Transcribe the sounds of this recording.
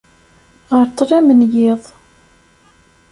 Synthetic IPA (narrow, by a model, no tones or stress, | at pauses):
ʁəɾt͡s̪ˤːræmənjɪðˤ